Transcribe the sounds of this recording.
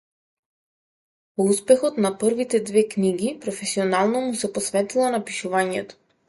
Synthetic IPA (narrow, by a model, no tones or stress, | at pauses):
pɔuspɛxɔt̪naprvit̪ɛd̪vɛkniɡipɾɔfɛsiɔnalˠnɔmusɛpɔsvɛt̪ilˠanapiʃuvaɲɛt̪ɔ̥